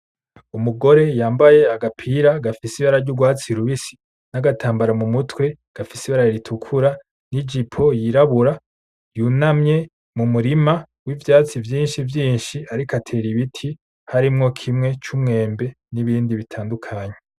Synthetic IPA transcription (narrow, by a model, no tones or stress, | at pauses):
umuɡo̞ɾe̞jaːmbaje̞aɡapʰiɾaɡafisiβaɾaɾɟuɡwaːt͡siɾuβisi̥ | naɡatʰaːmbaɾamumutwe̞ | ɡ̥afisiβaɾaɾiɾitʰukʰuɾa | nid͡ʒipʰo̞jiɾaβuɾa | juːnamɲe̞ | mumuɾima | wivjaːt͡sivjiːnʃivjiːnʃiaɾikatʰe̞ːɾiβitʰi | haɾimŋo̞kʰimŋe̞t͡ʃumŋe̞ːmbe̞ | niβiːndiβitʰaːndukʰaːɲe̞